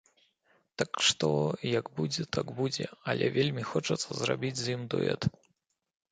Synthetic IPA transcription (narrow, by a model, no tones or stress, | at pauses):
t̪akʂt̪ɔjɐɡbud͡zʲɛt̪aɡbud͡zʲɛɐlʲɛ̰vʲelʲmʲixɔt͡ʂɐt̪sːɐzrabʲid͡zʲzjimd̪ṵɛ̰t̪